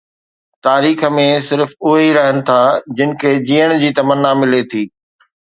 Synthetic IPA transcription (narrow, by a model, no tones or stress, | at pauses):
t̪aːɾiːxə̆mẽsɪɾfʊɦiɾɐɦənɪ̆t̪ʰaːd͡ʑɪnɪ̆kʰeːd͡ʑiːəɽ̃d͡ʑiːt̪ɐmənːamɪlet̪ʰiː